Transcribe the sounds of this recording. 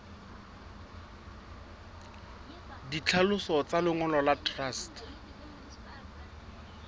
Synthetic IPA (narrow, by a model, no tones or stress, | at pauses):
dit͡ɬʰalʊsɔt͡salɪŋɔlɔlatʰʼrast